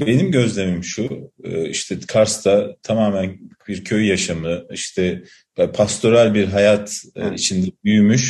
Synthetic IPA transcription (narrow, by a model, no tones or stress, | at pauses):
be̞nimɟø̞zlʲe̞mimʃuɯːiʃt̪ʰɛkʰaɾst̪ʰat̪ʰamaːmænbiɾcʰøjjaʃamɯiʃt̪ʰɛ | pʰast̪ʰo̞ɾalʲbiɾɦajat̪ʰːḭt͡ʃʰind̪ɛbyjymyʃ